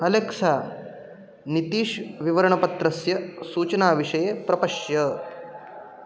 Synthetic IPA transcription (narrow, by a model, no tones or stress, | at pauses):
kɐlekʂaː | nit̪iːʃʋiʋɐɾɐɳɐpɐt̪ɾɐsjɐsuːt͡ʃɐnaːʋiʂɐjepɾɐpɐʂjɐ